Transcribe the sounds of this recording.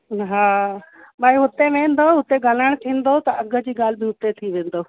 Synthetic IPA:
ɦaːɓaːiɦʊt̪eʋẽːn̆d̪oʊt̪eɡaləɽ̃t̪ʰĩːn̆d̪ot̪ɐɐɡʱə̆d͡ʑiːɡaːl̤ɪbɪɦʊt̪et̪ʰiʋẽːnd̪oː

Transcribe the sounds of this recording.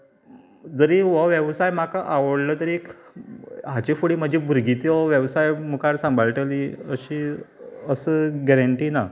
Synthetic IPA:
d͡zəɾiʋəʋjəʋsajm̤akaʔaʋəɽləːt̪əɾek | ɦat͡ɕifuɽiːm̤əd͡ʑʱiːbʱuɾɡit̪iʋɔʋjəʋsajmukaɾsãmbʱaɭʈəliːəɕiːəsəːɡɛɾəɳʈiːna

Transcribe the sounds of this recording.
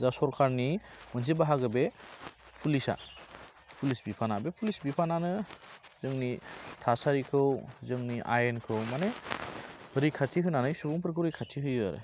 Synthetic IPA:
zasɔɾkʰaɾnimɯnzibaɦaɡɯbepʰulisa̰ | pʰulisbipʰanabepʰulisbipʰananɯzɯŋnitʰasaɾikʰɯwzɯŋniʔa̰jenkʰɯwmane | ɾikʰatʰiɦɯnanɯjsubɔŋpʰɯɾkʰɯwɾikʰatʰiɦɯjɯa̰ɾɯ̰

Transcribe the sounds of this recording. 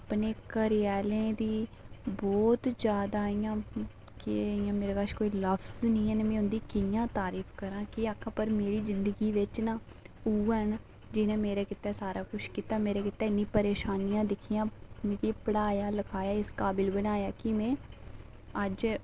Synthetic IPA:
apneːkəɾɪjɛːlẽːd̪iːbɔːt̪d͡ʒjaːd̪aːijãː | kɪijãːmeːɾeːkaʃkoːiːləfʰznĩːɦɛːnːmɛ̃ːʊnd̪iːkɪjãːt̪aːɾiːfʰkəɾãːkɪaːkʰːãːpəɾmeːɾiːzɪnd̪əɡiːʋɪt͡ʃnãː | uːən | d͡ʒɪnẽːmeːɾeːkɪt̪ɛːsaːɾaːkʊʃkiːt̪aːmeːɾeːkɪt̪ɛːɪnːĩːpəɾeːʃaːnijãːd̪ɪkʰːijãːmẽːkiːpəɽaːjaːləkʰaːjaːɪskaːbɪlbənaːjaːkɪmɛ̃ː | əd͡ʒ

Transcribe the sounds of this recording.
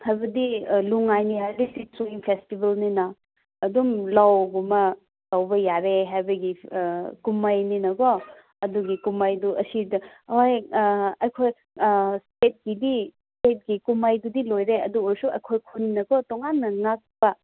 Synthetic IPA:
hajbɐdiluŋajniɦajlisit͡ʃoimpʰestibelninɐː | dumlawɡumɐ | lawbɐjaɾeɦajbɐɡikumajninɐɡɔ | ɐduɡikumajduʔɐsidɐojɐjkʰoj | stet̚ɡ̥idistet̚ɡikumajdudilojɾeɐduɔɾsuɐjkʰojkʰuninɐɡɔtɔŋanːɐŋak̚pɐ

